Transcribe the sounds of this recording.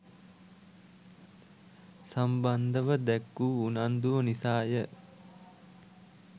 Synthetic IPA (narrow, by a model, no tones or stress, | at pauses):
samband̪əʋəd̪ɛkːuːunand̪uʋənisaːjə